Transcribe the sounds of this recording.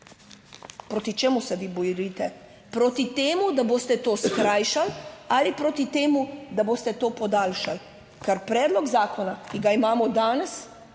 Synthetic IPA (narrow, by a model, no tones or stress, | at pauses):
pɾoːt̪it͡ʃeːmusɛʋibɔjɾit̪ɛ | pɾoːt̪it̪eːmud̪aboːst̪ɛt̪oːskɾaːjʃalalipɾoːt̪it̪eːmud̪aboːst̪ɛt̪oːpɔd̪aːlʃal | kaɾpɾɛːd̪lɔɡzaːkɔnakiɡaimaːmɔd̪aːnɛs